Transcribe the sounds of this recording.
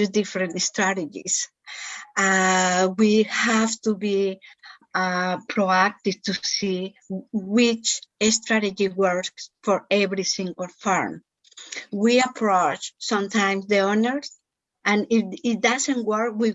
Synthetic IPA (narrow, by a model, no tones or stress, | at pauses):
sd̪ifɾẽntest̪ɾaɾed͡ʒḭs | awihaft̪ubi | apʰɾoak̚t̪ivt̪usi | wit͡ʃest̪ɾaɾed͡ʒiwəɹksfoɾɛβɾisĩŋɡəlfaɹm | wiapʰɾot͡ʃsʌ̃mt̪ãj̃msðeɔnəɹs | ʔãniit̪̚d̪asẽnwəɾkwi